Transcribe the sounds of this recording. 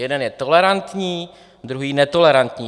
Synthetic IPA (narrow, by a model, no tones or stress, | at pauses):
jɛdɛnjɛt̪o̞lɛɾant̪ɲiː | d̪ɾuɦiːnɛt̪o̞lɛɾant̪ɲiː